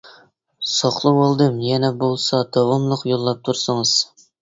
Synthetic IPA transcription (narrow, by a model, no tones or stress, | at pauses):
sɑχlˠɨwolˠd̪ɨmjɛnɛbolˠsɑd̪̥ɑvɑmlˠʊqjolˠːɑp̚t̪ʰuɾsɨŋɨz̥